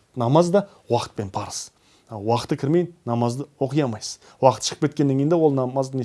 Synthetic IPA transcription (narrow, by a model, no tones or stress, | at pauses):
nɑmɑzd̪ɑ | wɑqə̥t̪̚pe̞npʰɑɾəz̥ | wɑqət̪ːəkʲʰɪɾme̞j̪nɑmɑzd̪əwo̞qəjɑmɑjsəz̥ | wɑqə̥t̪ʃə̥əpkʰʲe̞t̪kʲenːeŋkʲejnd̪ewo̞lˠnɑmɑzd̪ne